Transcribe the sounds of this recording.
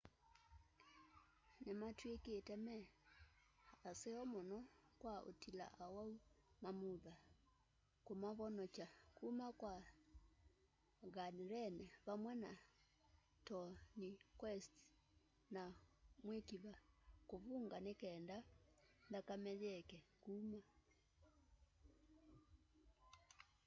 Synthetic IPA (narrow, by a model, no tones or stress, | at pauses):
nematwekeːtɛmɛ | aseɔmonɔkwao̰tila̰ʔawaumamuða | komaβɔnɔt͡ʃakumakwa | ɣaniɾɛnɛβamwɛna | tɔnikwɛst | namwekiβakoβuŋɡanekɛːndandakamɛðɛkɛkuma